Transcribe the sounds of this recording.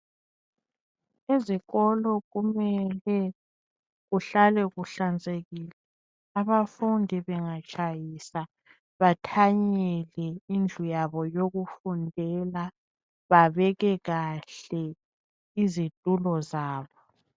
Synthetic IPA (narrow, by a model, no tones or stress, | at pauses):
eziɣɔlɔɣumɛlɛ | ɣuɬalɛɣuɬand͡zʱeɣiːlɛ | aβafundʱiβɛŋat͡ʃʼajisa | βatʰaɲɛlɛind͡ɮʱujaβɔjoɣufundʱɛla | βaβɛɣɛɣaɬɛ | izitʼulɔzaːβɔ